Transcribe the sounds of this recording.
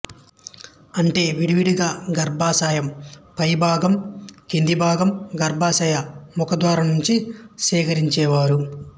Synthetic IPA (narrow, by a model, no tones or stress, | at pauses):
ɐɳʈe̞ːʋiɽiʋiɽiɡaːɡɐɾbʱaːsaːjɐmpɐjbʱaːɡɐmkend̪ibʱaːɡɐmɡɐɾbʱaːsɐjɐmukɐd̪ʋaːɾɐnuɲt͡ʃisiːkɐɾiɲt͡ʃɛːʋaːɾu